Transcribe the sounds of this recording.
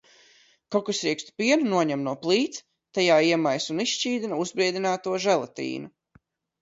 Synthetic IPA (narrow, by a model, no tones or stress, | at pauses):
kɔkusɾikst̪u̥piɛnunuɔɲɛmnuɔplˠiːt̪s | t̪ajaːiɛmajsuniʃt͡ʃiːd̪inauzbɾiɛd̪ʲinaːt̪uɔʒɛlˠat̪ḭːnu